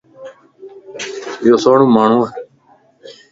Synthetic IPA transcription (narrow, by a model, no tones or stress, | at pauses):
joːsoːɽũːmaːɳ̤õː